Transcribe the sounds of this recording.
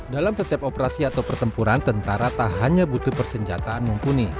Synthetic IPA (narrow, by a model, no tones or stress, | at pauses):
dalamsət̪iap̚opəɾasiat̪awpərt̪əmpuɾant̪ənt̪aɾat̪ahɦaɲabut̪upərsəɲd͡ʒa̰t̪aːnməmpuni